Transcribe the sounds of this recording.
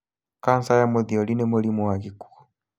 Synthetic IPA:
kansajamɔðiɔlinɛmulimuwakiku̥

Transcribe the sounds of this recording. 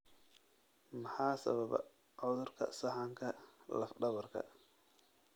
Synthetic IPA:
mɐħaːsɐ̰βɐβɐ̰ | ʕɔðʊrkʰɐ̰sɐħɑŋkʰɐlɐfɖɐβɐrkʰɐ̰

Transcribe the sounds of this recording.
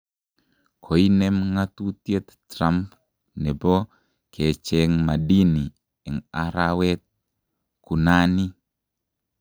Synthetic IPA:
kʰoinɛmŋat̪ut̪jet̪tɾamp | nɛbɔ | kʰɛt͡ʃɛŋmadini | ɛŋaɾawɛt̪̚ | kunani

